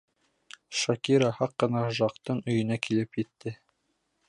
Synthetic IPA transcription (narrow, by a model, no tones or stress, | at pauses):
ʃɑkiɾɑhɑqːɤ̆nɑʒɑqt̪ɤɴɵ̆jɵ̆nækilɘpjɘ̆t̪ːɘ